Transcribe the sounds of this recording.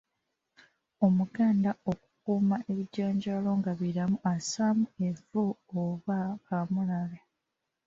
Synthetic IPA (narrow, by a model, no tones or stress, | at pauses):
o̞muɡaːndaokukuːmaʔe̞βiɟaːɲɟaːlo̞ŋɡaβiɾamuʔasaːmueɱvuoβaamulala